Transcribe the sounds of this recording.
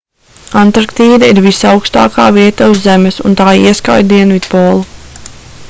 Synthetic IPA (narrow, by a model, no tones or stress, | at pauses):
ant̪ɾakt̪iːd̪aiɾvisawkst̪a̰ːkaːviɛt̪auzːɛmɛsṵnt̪aːḭɛska̰j̪d̪iɛnvit̪pɔːlˠu